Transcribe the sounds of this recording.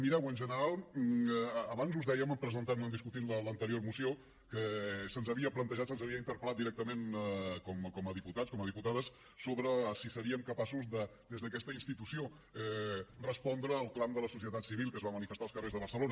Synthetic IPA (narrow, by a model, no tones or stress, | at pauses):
miɾɛwənʒənəɾalˠ | βanzuzðɛjəməmpɾəzənt̪anənd̪iskut̪inlələnt̪əɾioɾmusio | kəsənzəβiəplənt̪əʒat̪sənzəβiəint̪əɾpəlˠat̪d̪iɾɛk̚t̪əmenkɔmkɔməðiput̪atskɔməðiput̪aðəs | soβɾəsisəɾiəmkəpasuzd̪əd̪ezðəkɛst̪əinst̪it̪usio | ɛrəspɔnd̪ɾəːlˠklamd̪ələsusiət̪at̪siβilˠkəzβamənifəst̪aəlˠskərezðəβəɾsəlonə